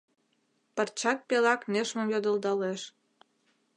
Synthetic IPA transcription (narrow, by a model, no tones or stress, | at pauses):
pə̆rt͡ɕɑk̚pelɑkneʃmə̆mjod̪əld̪ɑleʃ